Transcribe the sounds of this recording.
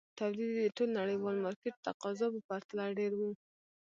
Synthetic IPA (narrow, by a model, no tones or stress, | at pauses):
t̪awd̪id̪d̪əʈolnaɽəjwɑlmɑɾkeʈ̚t̪aqɑzɑpəpaɾt̪alaɖeɾwu